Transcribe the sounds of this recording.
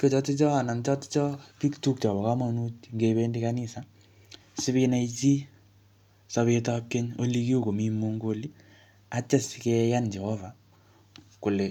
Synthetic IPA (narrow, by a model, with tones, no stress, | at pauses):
ko˨t͡ʃɔ˦ti˦t͡ʃɔ˦a˨na˨nt͡ʃɔ˦ti̥˦t͡ʃɔ˦pi˦ktu˦k̚t͡ʃɔ˨βɔ˨ka˦ma˨nu˦tŋɡe˨βe˦ndi˦ka˦ni˦sa˨ | sɪ˦βi˦na˦it͡ʃi˦ | sa˨βe˧ta˦ke˦ɲo˦li˦ki˦o˦˨ko˨mi˦mu˦ŋɡo˦li˦ | a˦t͡ʃe˦skɛ˦ja˦nd͡ʒɛ˨ho˦va˨ | kʊ˨le˨